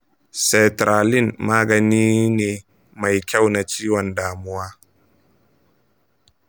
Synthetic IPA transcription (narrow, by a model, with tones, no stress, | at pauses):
sɛ˨tɾaː˨lɪ˦˨nmaː˦ɡɐ˨niː˦neː˨ | ma˨jkʲa˦˨wna˨t͡ʃiː˦wɔ˨ndaː˨mʊ˦waː˦